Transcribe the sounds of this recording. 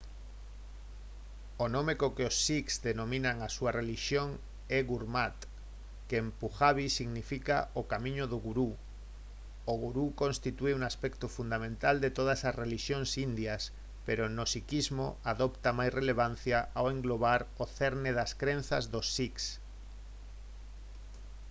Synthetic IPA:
onõmekokeosːiksd̪enõmĩnaŋasuareliʃjoŋ | ɛɣuɾmat̪ | keempuxaβisiɣnifikaokamĩɲoðoɣuɾu | oɣuɾukonst̪it̪ueuŋaspɛkt̪ofund̪amẽnt̪ald̪et̪oðasazreliʃjoŋsind̪jas | peɾonosikizmo̰aðopt̪amajsreleβ̞an̟θjaʔaweŋɡloβaɾoθeɾneðaskɾen̟θazðosːiks

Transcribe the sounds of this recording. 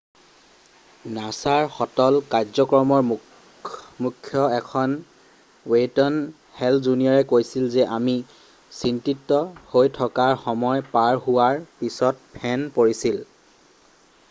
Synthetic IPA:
nasaɹxɔtɔlkaɹzɔkɹɔmɔɹm | mukʰːjɔɛkʰɔn | wetɔn | hɛlzunijɔɹɛkojsilzɛʔami | sintitːɔhojtʰɔkaɹxɔmɔjpaɹɦuwaɹpisɔt̚pʰɛnpoɹisil

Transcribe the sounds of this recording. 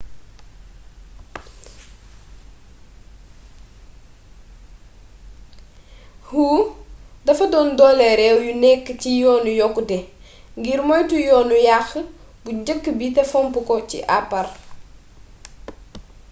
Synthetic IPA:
huːdɐfɐdɔːndɔːlɛɾɛwjunɛkːcijɔːnujɔkːudɛ | ŋɡiɾmɔjtujɔːnujax | buɟəkːbitɛfɔmpukɔcḭʔapːɐr

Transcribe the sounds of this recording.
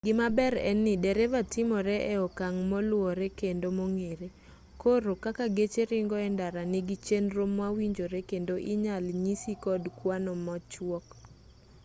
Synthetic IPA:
ɡɪmabɛɾɛ̰nːɪdɛɾɛvatɪmɔɾɛʔɛɔkaŋmɔlʊwɔɾekendomoŋeɾe | koɾokakaɡet͡ʃeɾɪŋɡɔɛndaɾanɪɡɪt͡ʃenɾomwawiɲd͡ʒoɾekendoʔɪɲalɲisikɔdkwanɔmɔt͡ʃwɔk

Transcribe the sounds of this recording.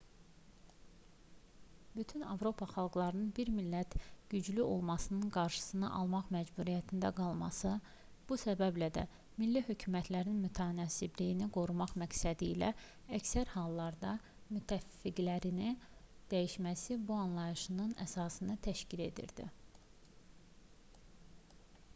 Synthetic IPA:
byt̪ʰynɑ̰vɾo̞pʰɑχɑlˠɡlˠɑɾɯnɯnbiɾmilːæt̪ɟ̥yd͡ʒlyʔo̞lˠmɑsɯnɯnɡɑɾʃɯ̥sɯnɯ̰ʔɑ̰lˠmɑχmæd͡ʒbuɾijæt̪ʰind̪æɡɑlˠmɑsɯ | b̥usæbæblæd̪æ̰ | milːihø̞cʰymæt̪ʰlæɾinmyt̪ʰænɑːsiblijiniɡo̞ɾumɑχmæcsæd̪ilæ̰ | æcsæɾhɑlˠːɑɾd̪ɑ | myt̪ʰæfːiɡlæɾini | d̪̥æjiʃmæsibuɑnlˠɑjɯʃɯnɯnæ̰sɑːsɯnɯt̪ʰæʃcile̞̰d̪ḭɾd̪̥ḭ

